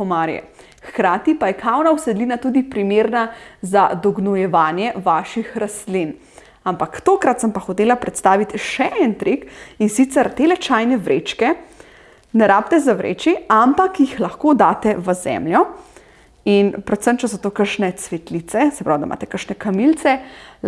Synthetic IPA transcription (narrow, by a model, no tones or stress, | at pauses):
ɔmaːɾjɛ̰ | xkɾaːt̪ipajɛkʰawnawsɛd̪liːnat̪ud̪ipɾimeːɾnazad̪ɔɡnɔjɛʋaːnjɛʋaːʃixɾast̪lin | ampakt̪oːkɾat̪səmpaxɔt̪eːlapɾɛt̪st̪aːʋit̪ʃɛʔɛnt̪ɾekinsit̪sɛɾt̪elɛt͡ʃajnɛʋɾḛt͡ʃkɛ | nɛɾaːp̚t̪ɛzaʋɾʔḛːt͡ʃiampakjixlaxkod̪aːt̪ɛʋəzɛ̰mljɔ | inpɾɛt̪səmt͡ʃɛsɔt̪oːkəɾʃnɛt̪sʋɛt̪lit̪sɛsɛpɾawd̪a̰ma̰ːt̪ɛ̥kəɾʃnɛkamilt̪sɛ